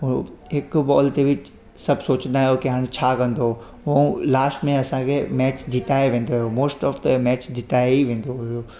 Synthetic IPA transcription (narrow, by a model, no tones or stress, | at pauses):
ɦɪkbɔːlt̪eʋɪt͡ɕ | sɐbʱsoːt͡ɕə̃nd̪aːɦejokiɦaːɽ̃et͡ɕʰaːkɐ̃nd̪o | ũlaːsʈmẽɐsãkʰemɛːt͡ɕd̪ɪʈ̪aːeʋẽːn̆d̪oɦijomoːsʈɔːfd̪mɛːt͡ɕd̪ʱɪʈ̪aːeiʋẽːn̆d̪oɦʊɦijoː